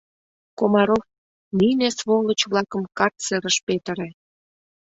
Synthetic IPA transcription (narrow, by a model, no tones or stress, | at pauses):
komɑɾof | ninesβolət͡ɕβlɑkəmkɑrt̪t͡seɾəʃpet̪ə̆ɾĕ